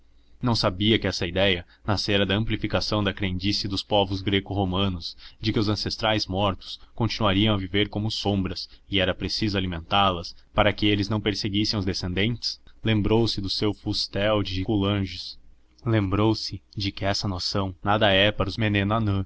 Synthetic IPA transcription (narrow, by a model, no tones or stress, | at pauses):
nɐ̃w̃sabiɐkɪɛsɐid̪ɛjɐ | naseɾɐd̪ɐɐ̃mplifikasɐ̃w̃d̪ɐkɾeẽnd͡ʒisiɐd̪ʊspɔvʊzɡɾekʊɦomɐ̃nʊzd͡ʒɪkɪʊzɐ̃sest̪ɾajzmɔɾt̪ʊ̥skõnt͡ʃinuaɾiɐ̃w̃ɐviveɾkõmʊsõbɾɐsɪɛɾɐpɾesizʊalimẽnt̪aɾlɐspaɾɐkɪelɪznɐ̃w̃peɾseɡisẽʊzd̪esẽnd̪ẽnt͡ʃɪ̥slẽmbɾowsɪd̪ʊsewfust̪ɛwd͡ʒɪɪkulɐ̃ʒʊs | lẽmbɾowsɪd͡ʒɪkɪɛsɐnosɐ̃w̃nad̪ɐɛpaɾʊzmenẽnano